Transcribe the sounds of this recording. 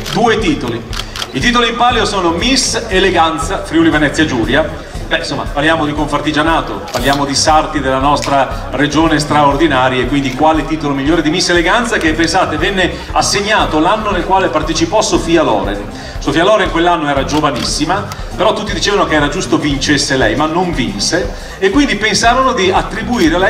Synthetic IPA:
d̪uːet̪iːt̪oliit̪iːt̪̬olimpaljosoːnomiseleɡant̪safɾjulivenɛt̪sjad͡ʒuːlja | bɛinsomːa̰parljaːmod̪ikoɱfart̪id͡ʒanaːt̪o̰parljaːmod̪isart̪id̪elːanɔst̪ɾa | red͡ʒoːnest̪ɾaord̪inaːɾjaekwind̪ikwaːlet̪iːt̪olomiʎːoːɾed̪imisːeleɡant̪sakepːensaːt̪evɛnːe | asːeɲːaːt̪olanːonelkwaːlepart̪et͡ʃipɔsofiːalɔ̰ːɾḛn | sofialɔːɾeŋkwelːanːoɛːɾad͡ʒovanisːima | peɾɔt̪ːut̪ːid̪it͡ʃeːvanokeɛːɾad͡ʒust̪ovint͡ʃesːelɛjmanːoɱvinse | ekːwind̪ipensaːɾonod̪iat̪ːɾibuiːɾelɛ

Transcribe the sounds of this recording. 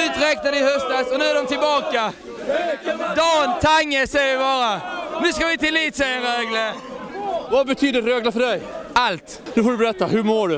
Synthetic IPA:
ʉːt̪ɾɛk̚naɖɪɦœst̪asɔnʉ̟ːæɖɔmt̪ɪlbɑːka | d̪ɑːnt̪ʰaŋːəsɛjəvɪbɑːɾanʉ̟ːskavɪt̪ʰɪlːiːt̪sɛjəɾeːɡlə | vabɛt̪ʰyːd̪ətɾeːɡlafœɖɛjalt̪ | d̪ɔfɔɖɵbɛɾɛt̪ːahɵmoːɖɵ

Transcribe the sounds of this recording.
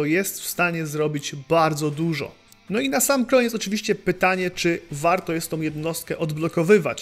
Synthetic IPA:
ɔjɛst̪fst̪aɲɛzɾɔbʲid͡ʑbaɾd̪zɔd̪uʐɔ̰ | nɔinasamkɔɲɛt̪s̬ɔt͡ʂɘvʲiɕt͡ɕɛpɘt̪aɲɛt͡ʂɘvaɾt̪ɔjɛst̪ːɔ̃w̃jɛd̪nɔst̪̚kɛʔɔd̪blɔkɔvɘva̰t͡ɕ

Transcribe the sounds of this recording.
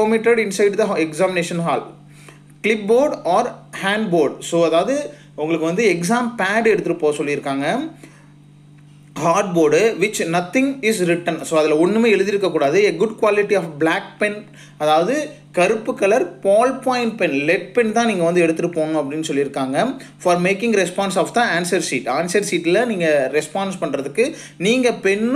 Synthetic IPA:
oːmɪʈɐɖɪnsɐɪɖd̪ɐɦɛksaːmɪneːʂɐnɦa̰ːl | klɪpboːɾɖaːɾhaːɳɖboːɾɖsoːɐðaːʋɐðɯ | ʊŋɡɐɭɯkːɯʋɐnd̪ɯɛks̬aːmpaːɖɛɽɯt̪ːɯʈɯpːoːsɔlːɪɾɯkːaːŋɡɐ | haːɾɖ̚boːɾɖʋɪt͡ʃnɐt̪ːɪŋɪsɾɪʈɐnsoːɐðɪlɐɔnːɯmeːɛɻɯðɪɾɯkːɐkːuːɽaːðɯeːɡʊɖkʋaːlɪʈːiaːfblaːk̚pɛn | ɐðaːʋɐðɯ | kɐɾɯpːɯkːɐlɐɾpaːlpaːjɪɳʈpɛnlɛʈ̚pɛnt̪ãːniːŋɡɐʋɐnd̪ɯɛɽɯt̪ːɯʈːɯpoːɳʊ̃ɐp̬ːɐɽɪnːɯsɔlːɪɾɯkːaːŋɡɐ | fɐːɾmeːkɪ̃ŋɡɾɛspaːnsaːfd̪aaːnsɐɾsiːʈaːnsɐɾsiːʈɪlɐniːŋɡɐɾɛspaːnspɐɳɾɐðɯkːɯ | niːŋɡɐpɛnː

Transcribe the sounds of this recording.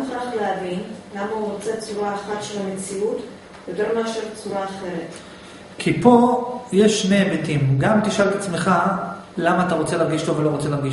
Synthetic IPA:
χaχlehavinlamauʁot͡set͡suʁaːχatʃe̞lament͡siut̪ | jet̪eʁmaʃelt͡suʁaːχe̞ʁet̪ | kʰipo̞jeʃːnebetimɡamt̪iʃalt̪at͡smeχa | lamaːt̪aʁo̞t͡selaʁɡiʃtovelo̞ʁot͡selaʁɡiʃ

